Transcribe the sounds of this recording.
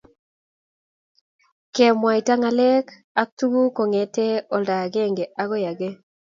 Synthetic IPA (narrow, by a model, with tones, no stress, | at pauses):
kɛ˨mwa˨i˨ta˦ŋa˨lɛ˦k | a˦k̚tu˦ɡu˦kɔ˨ŋɛ˨te˦ɔ˨lda˨ɡe˦˨ŋɡe˨ʔa˦ɡɔ˦ja˨ɡe˦